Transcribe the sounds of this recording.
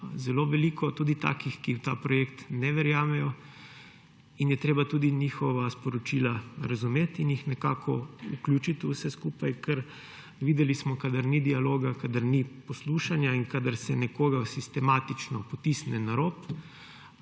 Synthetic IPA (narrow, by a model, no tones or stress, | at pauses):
zɛloʋɛliːkʰɔt̪uːd̪it̪a̰ːkixkiwt̪a̰pɾɔjekt̪nɛʋɛɾjaːmɛjɔ | injɛt̪ɾeːbat̪uːd̪iniːxɔʋaspɔɾɔt͡ʃiːlaɾazumeːt̪injixnɛka̰ːkʰɔṵklʲut͡ʃit̪usɛskuːpajkʰɛɾ | ʋiːd̪ɛlismɔkad̪aɾnid̪ialoːɡakad̪aɾnipɔsluːʃanjaiŋkaːd̪aɾsɛnɛkoːɡasist̪ɛmaːt̪it͡ʃnɔpɔt̪isnɛnaɾoːp